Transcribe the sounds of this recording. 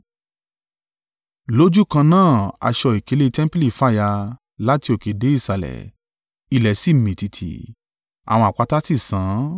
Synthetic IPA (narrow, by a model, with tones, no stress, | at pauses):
lo˦d͡ʒu˦kã˧nãː˦˨a̰˧ʃɔ˧i˨ke˨˧˦le˧tɛ̃˦m˦pe˦li˦˨fa˦˨ja˧ | la˦ti˧o˨ke˨de˨˦i˦˨sa˨lɛ̰˨ | i˧˨lɛ˨si˦˨mĩ˨ti˧tʰḭ˨ | a̰˨w̃ɔ̃˧˨a˨k͡pa˨˦ta˦si˦˨sã˨˦